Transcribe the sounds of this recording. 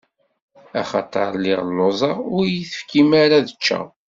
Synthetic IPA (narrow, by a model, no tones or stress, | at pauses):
æχɑ̰t̪ˤɑ̰ɾˤlːɪʁlːozˤɑʊɾjiθə̥fkimaɾaðət͡ʃːæ̰